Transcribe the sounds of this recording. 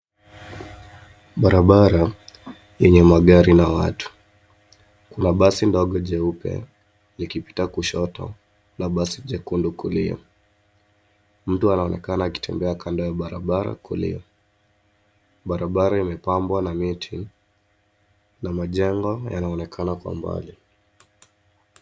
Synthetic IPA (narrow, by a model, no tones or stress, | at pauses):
ɓaɾaɓaɾa | ɛɲɛmaɠaɾinawatu̥ | kunaɓasindɔɠɔʄɛupɛ̰ | nikipi̥takuʃɔtɔ̰ | naɓasiʄɛkundukuliɔ̰ | m̩tuanaɔnɛ̰kanaːki̥tʰɛmbɛakʰandajaɓaɾa̰ɓaɾa̰kulḭɔ̰ | ɓaɾaɓaɾaimɛpambwanamitʰi | namaʄɛŋɡɔja̰naɔnɛkʰanakwa̰mba̰li